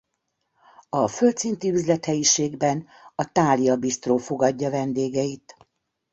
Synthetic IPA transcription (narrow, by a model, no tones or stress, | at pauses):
ɒfølt̪sint̪iyzlɛt̪hɛjiʃeːɡbɛn | ɒt̪aːliɒbist̪roːfo̞ɡɒɟːɒvɛnd̪eːɡɛit̪